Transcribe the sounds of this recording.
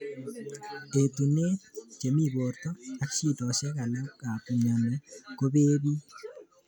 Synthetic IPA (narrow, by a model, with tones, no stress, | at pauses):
e˨t̪u˨ne˦t͡ʃe˨mi˦˨bo˨ɾt̪ɔ˦a˦kt͡ʃi˦˨dɔ˨ʃɛ˦ka˨lɔ˦ka˨tu˨ɲa˨nɛ˨ko˦be˦bi˦